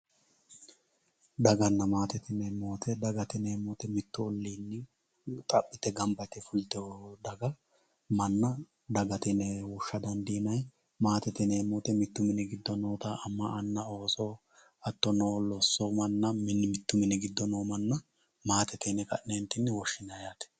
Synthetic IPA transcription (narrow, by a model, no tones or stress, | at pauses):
d̪ɐɡɐnːɐmaːt̪ɛt̪ɪnɛmoːt̪ʰɛd̪ɐɡɐt̪ɪneːmoːt̪ɛmɪt̪ːʊɔlːiːnːɪ | t̪ʼɐpʼːɪt̪ɛɡɐmbɐt̪ɛfʊlɪt̪ɔd̪ɐɡɐ | mɐnːɐ | d̪ɐɡɐt̪ɪnɛwɔʃːɐd̪ɐnd̪iːnɐj | maːt̪ɛt̪ɪneːmoːt̪ɛmɪt̪ːʊmɪnɛɡɪd̪ːɔnoːt̪ɐʔɐmːɐɐnːɐo̞ːsɔ | ɐt̪ːɔnoːlɔsːɔmɐnːɐmɪnmɪt̪ːʊmɪnɛɡɪd̪ːɔnoːmɐnːɐ | maːt̪ɛt̪ɛnɛkɐ̰ʔnent̪ːɪnːɛwɔʃːɪnɐjaːt̪ɛ̥